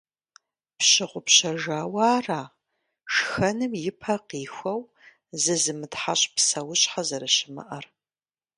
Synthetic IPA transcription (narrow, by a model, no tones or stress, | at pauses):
pɕɪʁʷʊpɕɐʒaːwaːraː | ʂxɐnɨmjɪpʰɐqiːxʷɐw | zɨzɨmɨtħaɕʼpsɐwʊɕʼħazɐɾɐɕɪmɐ̰ʔɐr